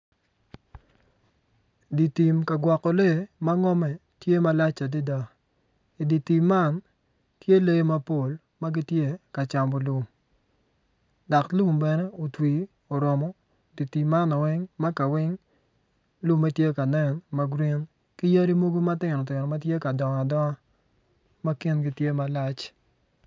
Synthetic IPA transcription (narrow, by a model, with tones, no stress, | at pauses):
di˨ti˨mka˨ɡwa˨kːɔ˨le˦˨ma˦ŋɔ˦mɛ˨ | tje˦ma˨˦la˦t͡ʃa˨di˦da˦˨ | i˨di˨ti˨mːa˦˨n | tje˦le˦ma˦po˨l | ma˦ɡɪ˦tje˦˨ka˨t͡ʃa˨mbɔ˨lu˨m | da˨klu˦˨mbɛ˨nɛ˦o˨twi˨ | o˨ɾɔ˨mɔ˦˨ | di˨ti˨ma˦na˨wɪ˦ŋma˦ka˨wɪ˦ŋ | lu˦ma˦tje˦ka˨nɛ˦nma˦ɡɾi˦n | ki˦ja˦ɾi˦mo˦ɡo˦ma˦tɪ˨nɔ˨tɪ˨nɔ˨ma˦tje˦ka˨dɔ˨ŋa˨dɔ˦a˦ | ma˦ki˦nɡi˦tje˦ma˨la˦t͡ʃ